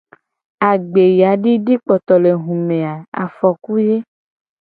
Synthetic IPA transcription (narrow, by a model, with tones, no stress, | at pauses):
a˨ɡ͡be˨ja˨˦ɖi˦ɖi˦k͡pɔ˨t̪ɔ˨le˨ɦũ˨mẽ˨a˨a̰˨fɔ˨ku˦je˦